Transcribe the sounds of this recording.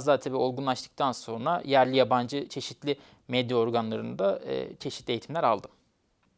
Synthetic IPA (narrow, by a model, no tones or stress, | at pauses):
zd̪aːt̪ʰabiːo̞lˠɡunlˠaʃt̪ʰɯ̥k̚t̪ʰanso̞nɾajæɾlʲijaband͡ʒɯt͡ʃʰe̞ʃit̪ʰlʲi | med̪jao̞ɾɡanlˠaɾɯnd̪a̰t͡ʃʰe̞ʃit̪lʲiejːt̪ʰimlʲæɾalˠd̪ɯm